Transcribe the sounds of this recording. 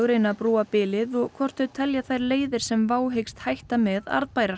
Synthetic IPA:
ɣɾɪnaðpɾuːapɪːlɪðɔɣkʰvɔr̥t̪œt̪ʰɛljaθajɾleːjðɪɾ̥sɛmvaːwɦejkst̪hajht̪amɛða̰ɾðpajɾa

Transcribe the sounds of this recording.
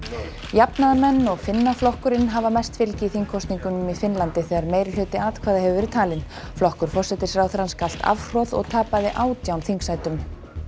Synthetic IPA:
japnaðamɛnːɔɣfɪnːaflɔhkʏɾɪnɦavamɛjst̪fɪlcɪiθiŋkʰɔst̪niŋkʏnʏmifɪnlant̪ɪθɛɣaɾmeːjɾɪlʏːt̪ɪaːt̪kʰvaːðahɛvʏvɛɾɪð̥t̪ʰaːlɪn | flɔhkʏɾ̥fɔr̥sɛt̪ɪsɾaːwθɾanskal̥t̪a̰fr̥ɔðɔ̰ɣt̪ʰaːpaðɪʔaːwt̪jawnθiŋksajt̪ʏm

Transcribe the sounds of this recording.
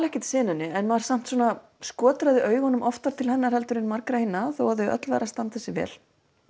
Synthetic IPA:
lɛhcɪt̪sɪːnʏnːɪɛnmaɾ̥sam̥t̪swɔːna | skɔːt̪ɾaðɪʔœːɥɣhɔnːʏmʔɔft̪aɾ̥t̪ʰɪlhɛnːaɾ̥hɛlt̪ʏɾɪnmaɾkɾahinːaθowaðθœɥœ̰t̪lva̰ːɾast̪ant̪θɛsːɪvɛ̰ːl

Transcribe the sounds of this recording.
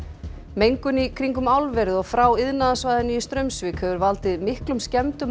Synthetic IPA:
mejŋkʏnikʰɾiŋkʏmawlvɛɾɪðɔɣfɾawɪðnaðasvaːjðɪnʏst̪ɾœɥmsvɪkhɛvʏɾvalt̪ɪðmɪhklʏmscɛmt̪ʏm

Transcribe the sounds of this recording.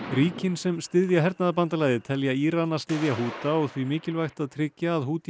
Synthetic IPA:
ɾiːcɪnsɛmst̪ɪðjaɦɛɾt̪naðapant̪alaːjðɪt̪ʰɛljaiːɾanːast̪ɪðjaɦuːt̪aɔɣθvimɪːcɪlvajxt̪aðt̪ʰɾɪcːaːðhuːt̪

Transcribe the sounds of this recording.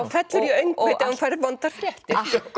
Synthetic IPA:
fɛt̪lʏɾjɛœɥŋkveːjt̪aunfɛɾvɔnt̪aɾ̥t̪

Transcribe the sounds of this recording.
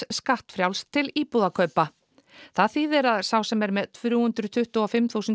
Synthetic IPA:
skaht̪fɾjawlst̪ʰɪliːpuðakʰœɥpa | θaðθiːðɪɾaðsawsɛmɛɾmɛðfɾjuːhʏnt̪ɾʏt̪ʰʏht̪ʏɔfɪmθuːsʏn

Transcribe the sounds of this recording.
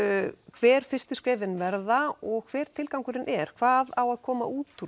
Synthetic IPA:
kʰvɛːɾ̥fɪst̪ʏ̥skɾɛːvɪnvɛɾðaɔɣkʰv̥ɛːɾ̥t̪ʰɪlkawŋkʏɾɪnʔɛɾ̥kʰv̥aːðawaðkʰɔːma̰ʔuːt̪u

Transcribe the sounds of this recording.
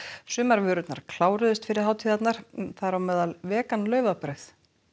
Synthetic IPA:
sʏːmaɾvʏːɾʏt̪na̰ɾ̥kʰl̥aːwɾʏðʏst̪fɪɾɪɾ̥hɦaːwt̪ʰiːðat̪naɾ̥θaðɾawmɛːðalvɛːkanlœːɥvapɾœɥθ

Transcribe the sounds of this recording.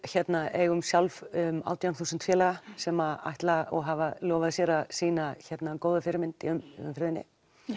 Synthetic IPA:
çɛt̪naʔeɣʏmsjawlvʏma̰ːwt̪jawnθuːsʏnt̪fjɛːlaasɛːmaa̰ht̪laɔɣɦavaljɔːvaðsjɛːɾasiːnaçɛt̪nakoːwðʏfɪɾmɪnt̪iʏmʏ̰mfɪɾðɪnːɪ̰

